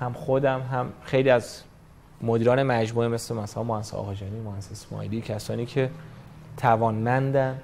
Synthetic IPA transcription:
hæmχod̪æmɦæmxejliːæz | mod̪iːɾɒːne̞mæd͡ʒmuːemeslemæsælænmohæsḛɒ̰ːɣɒːd͡ʒɒːniːmohænsesmɒ̰ːliːcʰæsɒːniːcʰet̪ʰævɒːnmænd̪æn

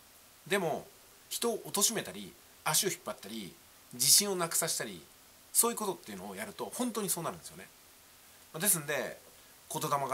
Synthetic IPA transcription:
d̪e̞mo̞ | çi̥t̪o̞ːʔot̪o̞ɕime̞t̪aɾʲḭ | aɕio̞çi̥pːat̪ːaɾʲḭ | d͡ʑiɕĩɰ̃o̞nakɯ̟̥saɕi̥t̪aɾʲḭ | so̞ːjɯ̟ko̞t̪o̞t̪ːe̞iɯ̟no̞ojaɾɯ̟t̪o̞hõ̞nt̪oːɲisoːnaɾɯ̟nd̪esjonḛ | mad̪e̞s̬ɨnd̪e̞̰ | ko̞t̪o̞d̪amaɡa

